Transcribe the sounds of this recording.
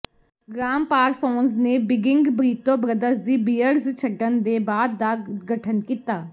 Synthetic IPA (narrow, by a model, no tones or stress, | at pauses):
ɡɾaːmpaːɾsɔːnzneːbɪɡɪŋɡbɾiːt̪õːbɾəd̪əsd̪iːbiːəɾzt͡ʃʰəɖːənd̪eːbaːd̪ːaːɡəʈʰənkiːt̪aː